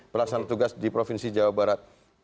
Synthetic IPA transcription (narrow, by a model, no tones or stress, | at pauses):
pərlaksanat̪uɡasdipɾofinsid͡ʒawabaɾat̪̚